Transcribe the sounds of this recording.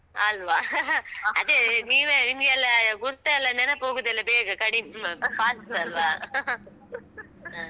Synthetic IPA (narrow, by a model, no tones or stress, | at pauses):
aːlʋaː | ɐðeniːʋeɪŋɡjɐlːɐɡʊɾt̪ːɐlːɐnɛnɐpoːɣɯðɐlːɐbeːɣɐkɐɽimfaːssaːlʋaː